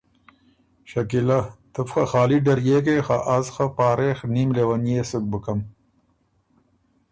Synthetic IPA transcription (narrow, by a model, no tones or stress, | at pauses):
ɕɐkilat̪əfxɐxɑːliɖɐɾjeːk̬exaʔazxapɑːɾeːxniːmlewɐnjesuk̚bəkɐm